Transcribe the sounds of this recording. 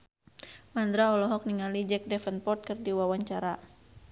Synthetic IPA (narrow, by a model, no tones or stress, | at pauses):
mand̪ɾaɔlɔɦɔk̚niŋalid͡ʒɛk̚dɛfənpɔrt̪̚kɨrdiwawaɲt͡ʃaɾa